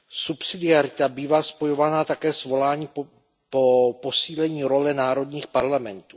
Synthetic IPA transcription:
supsɪdɪaɾɪt̪abiːvaːspo̞jo̞vanat̪akɛːsvo̞laːɲiː | popo̞siːlɛɲiːɾo̞lɛnaːɾo̞d̪ɲiːxpaɾlamɛnt̪uː

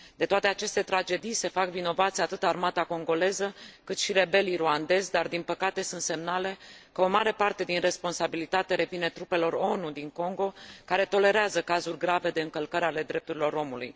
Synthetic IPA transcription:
d̪̥e̞t̪oat̪e̞at͡ʃe̞st̪e̞t̪ɾad͡ʒe̞d̪ijse̞fakvino̞vat̪sʲat̪ɨt̪armat̪ako̞ŋɡo̞le̞zəkɨt̪ʃiɾe̞be̞liɾuand̪e̞zʲd̪ard̪inpəkat̪e̞sunt̪se̞mnale̞kəo̞maɾe̞part̪e̞d̪inre̞spo̞nsabilit̪at̪e̞ɾe̞vine̞t̪ɾupe̞lo̞ro̞nud̪iŋko̞ŋɡo̞kaɾe̞t̪o̞le̞ɾeazəkazurʲɡɾave̞d̪e̞ɨŋkəlkəɾale̞d̪ɾe̞p̚t̪uɾilo̞ɾo̞mulṵj

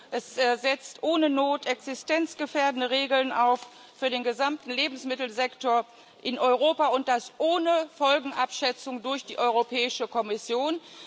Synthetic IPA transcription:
ʔɛsz̥ɛt͡stʔoːnənoːtʰɛksɪstɛnt͡sɡ̥əfɛːɐdənəʁeːɡl̩naʊf | fyːɐdeːnɡəzamtn̩leːbm̩smɪtl̩zɛktoɐ | ʔɪnʔɔʏʁoːpaʊnt̚d̥asʔoːnəfɔlɡŋ̩ʔapʃɛt͡sʊŋdʊɐçd̥iːʔɔʏʁopʰɛːɪʃəkʰɔmɪsjoːn

